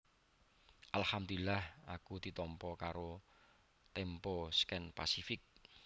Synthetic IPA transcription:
ʔalhamd̪ulahakud̪̥i̤t̪ɔmpɔkaɾo | t̪emposkɛnpa̰sifɪk̚

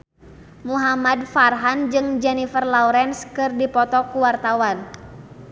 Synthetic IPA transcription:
muɦamadfarɦand͡ʒɨŋd͡ʒɛnifərlauɾɛnskɨrdipɔt̪ɔkuwart̪awan

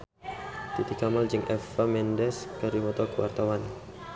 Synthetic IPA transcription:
t̪it̪ikamald͡ʒɨŋʔɛfamɛndɛskəɾimɔt̪ɔkəwa̰rt̪awan

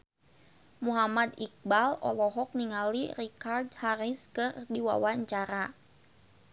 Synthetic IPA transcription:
muɦamad̪ik̚balɔ̰lɔɦɔk̚niŋalirikard̪haɾiskɨrdiwa̰waɲt͡ʃaɾa

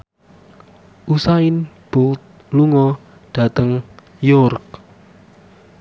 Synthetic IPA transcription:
ʔusaɪnb̥ʊlt̪̚ | luŋɔ | ɖ̥ä̤t̪əŋ | jʊrk̚

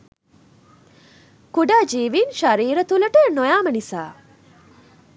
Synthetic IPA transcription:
kuɖaːd͡ʒiːʋinʃaɾiːɾət̪uləʈənojaːmənisa̰ː

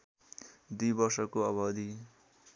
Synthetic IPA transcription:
d̪ujbʌrsʌkoʌβʌd̪ʱi

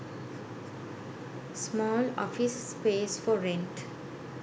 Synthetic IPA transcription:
smɔːlɔ̰ːfɪs | peːsfɔɾẽɳʈ

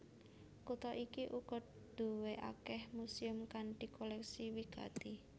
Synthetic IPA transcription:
kut̪ɔʔikiʔuɡ̥ɔ̤t̪̚ | d̪̥ṳweʔa̰kɛhmusiʊmkand̪̥i̤kolɛksiwiɡ̥a̰t̪i

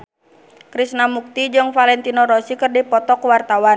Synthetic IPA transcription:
kɾisnamuk̚t̪id͡ʒɨŋfalɛnt̪inɔɾɔsikərdipɔt̪ɔkwart̪awa

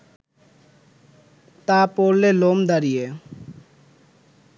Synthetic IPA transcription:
t̪apoɾlːelomd̪aɾije

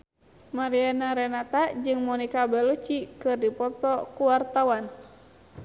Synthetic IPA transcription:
maɾianaɾɛnat̪ad͡ʒɨŋmɔnikabɛlut͡ʃikɨrdipɔt̪ɔkuwart̪awan

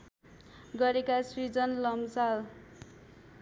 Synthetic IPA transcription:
ɡʌɾekasrid͡zʌnlʌmsal

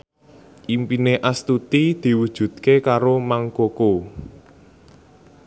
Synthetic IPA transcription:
ʔimpineʔast̪ut̪id̪̥i̤wud̥ʒ̥ṳd̪̚kekaɾomaŋkoko

